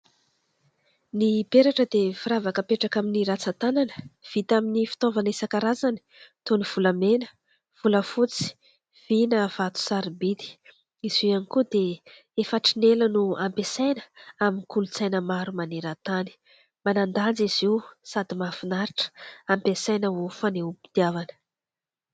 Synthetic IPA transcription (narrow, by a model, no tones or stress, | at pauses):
nibeɾaʈ͡ʂəd̪efiɾavakəpeʈ͡ʂakaminiɾat͡sat̪ananə̥v̥it̪aminifi̥t̪ovanesakaɾazani̥t̪oniv̥ulamenə̥ | v̥uləfut͡si̥ | v̥inəv̥at̪u̥saɾibid̪i̥ | iz̥ianikud̪e | efaʈ͡ʂinelənuampesajnəaminikulut͡sajnəmaɾumaneɾat̪ani̥ | manand̪and͡ziz̥iwsad̪imafinaɾiʈ͡ʂə̥ampesajnəofaneupi̥t̪iavanə̥